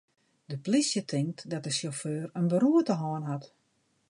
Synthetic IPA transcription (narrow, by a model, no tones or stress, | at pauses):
dəplisjətʰɪŋk̚tdɔt̚dəsjoføːrənbəɾuətəɦɔːnɦat